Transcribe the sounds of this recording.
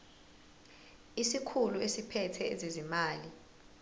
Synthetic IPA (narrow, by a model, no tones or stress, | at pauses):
isikʰuluesipʰɛtʰɛɛzezimaːli